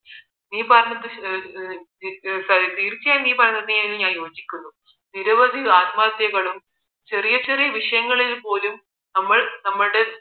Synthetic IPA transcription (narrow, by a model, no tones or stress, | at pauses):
niːpɐrɐɲːɐðɨ | sɐɾit̪iːɾt͡ɕːɐjaːjniːpɐrɐɲːɐðɨɲailumɲaːnjo̞ːd͡ʑikʲːunːu | niɾɐʋɐd̪ʱiaːt̪maːd̪jɐɣɐɭum | t͡ɕe̞rijɐt͡ɕerijɐʋiʂɐjɐŋːɐɭilpo̞ːlum | nɐmːɐɭnɐmːɐɽe̞